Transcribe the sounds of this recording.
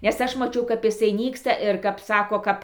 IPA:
nʲɛs ˈɐʃ mɐˈt͡ʃʲɛʊ kɐp ɪˈsɐɪ ˈnʲiːkstɐ ɪr kɐp ˈsɑːkoː ˈkɐp

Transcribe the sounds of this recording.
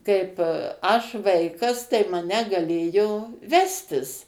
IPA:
ˈkɐɪp ˈɐʃ ˈʋɐɪkɐs tɐɪ mɐˈnʲɛ ɡɐˈlʲeːjoː ˈʋʲæːsʲtʲɪs

